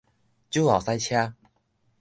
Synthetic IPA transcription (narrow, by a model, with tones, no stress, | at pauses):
t͡ɕju˥˦a˨˩sa˧jt͡ɕʰja˥˧